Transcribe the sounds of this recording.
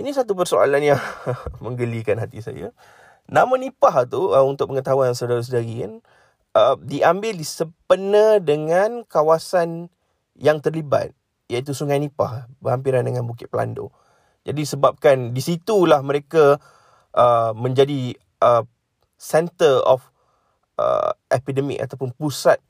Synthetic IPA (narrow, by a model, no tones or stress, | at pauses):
inĩsat̪up̬ərsoa̰lanjaŋmə̃ŋɡəlikanɦat̪isa̰ja̰ | nãmanipaɦt̪uəunt̪ʊk̚pəŋət̪aɦuansawdaɾas̬ədaɾia̰n | ʔədiʔambɪldisəpənədəŋãnkawasan | jaŋt̪ərliba̰t̪̚ | jait̪̬usuŋajnĩpa̰hbəhampiɾandəŋãnbukɪt̪̚pəla̰ndo̰ | d͡ʒadisəbap̚kandisit̪ulahmə̃ɾeka | ʔəmə̃ɲd͡ʒadi | ʔə | sɛnt̪ərɔ̰f | ʔə̰ʔɛpidəmḭka̰t̪awpʊnpusat̪̚